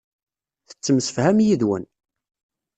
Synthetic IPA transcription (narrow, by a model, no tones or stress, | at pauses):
θə̥t͡sːəmsəfhæmjiðwə̰n